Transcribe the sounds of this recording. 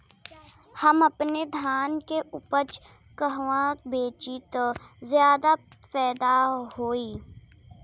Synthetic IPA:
hɐmɐpned̪ʱjaːnkeʔʊpət͡ʃ | kəɦʋãbeːt͡ʃit̪ozjaːd̪apɛːd̪aɦoːiː

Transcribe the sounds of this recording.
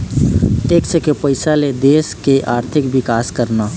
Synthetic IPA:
eːksekepəɪsaled̪eːskeʔaːɾt̪ʰɪkbɪkaːskəɾnaː

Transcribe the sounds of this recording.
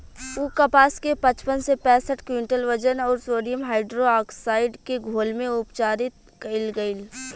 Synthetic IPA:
uːkɐpaːskepɐt͡ʃpənsepɛ̃ːsəʈkwɪɳʈəlʋəd͡ʒənɔːɾsoːɖijəmɦaːɪɖɾoaːksaːɪɖkeɡʱoːlmẽʊpt͡ʃaːɾɪt̪̚ | kɐɪlɡɐɪl

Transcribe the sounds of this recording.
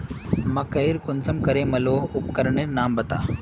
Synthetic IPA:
mɐkɐjɾkʊnsɐmkɐɾemɐloːupkəɾɳeɾnaːmbɐt̪a̰ː

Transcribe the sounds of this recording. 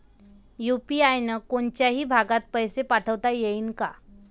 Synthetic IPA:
jupiajnəkoɳt͡ɕjaɦiːbʱaɡat̪̚pəjsepaʈʰəʋt̪ajeiːnka̰

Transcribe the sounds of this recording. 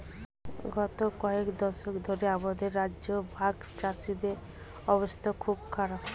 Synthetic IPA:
ɡɔt̪okɔekd̪ɔʃokd̪ʱoɾeabod̪eɾːad͡ʒobʱaɡ | t͡ʃasid̪e | ɔbost̪ʰakʰubkʰaɾap

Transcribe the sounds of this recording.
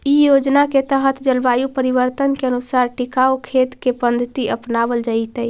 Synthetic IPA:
ijod͡ʒnaket̪əɦət̪ʰd͡ʒəlbajupəɾiβəɾt̪ənkeənusaɾʈikaukʰet̪kepənd̪ʱət̪iʔəpnabəld͡ʒait̪əj

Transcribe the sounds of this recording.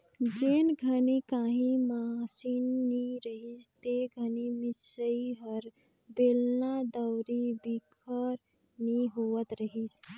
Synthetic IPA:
d͡ʒenɡʱənikaɦĩmasinːiɾəɦit͡ʃt̪eɡʱənimisəiɦəɾ | belnad̪əwɾibikʰəɾ | niɦoʋət̪ɾəɦit͡ʃ

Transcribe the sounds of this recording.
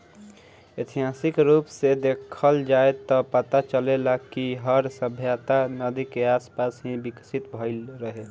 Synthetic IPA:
et̪ʰiɦaːsɪkɾuːpsed̪ekʰəld͡ʒaet̪ɔpət̪at͡ʃəlelakiɦəɾsəbʱjat̪anəd̪ikeaːspasɦĩbiksit̪bʱəɪlɾəɦe

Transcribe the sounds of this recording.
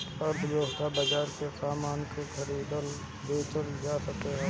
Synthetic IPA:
pəɾd̪joːɦt̪ʰabɐd͡ʒaːɾkesaːmaːnkekʰɐɾiːd̪əl | b̪eːt̪əld͡ʒaːsɐkeɦɛ̃ː

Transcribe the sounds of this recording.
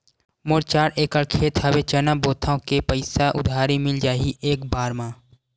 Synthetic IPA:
mʊɾt͡ʃaːɾeːkəɽkʰeːt̪ɦɐʋet͡ʃənaboːt̪ʰãkepəɪsaʔʊ̰d̪ʱaːɾimɪld͡ʒaːɦiʔeːkbaːɾmãː

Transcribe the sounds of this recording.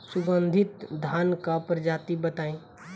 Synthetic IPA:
sʊɡə̃nd̪ʱɪt̪d̪ʱaːnkapɾəd͡ʒaːt̪ibət̪aːẽː

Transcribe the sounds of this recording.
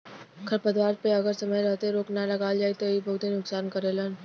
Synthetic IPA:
kʰɐɾpɐd̪ʋaːɾpeɐɡəɾsɐməjɾɛɦt̪eɾoːknalɐɡaːld͡ʒaːit̪oibɐɦʊt̪enʊksaːnkɐɾelan

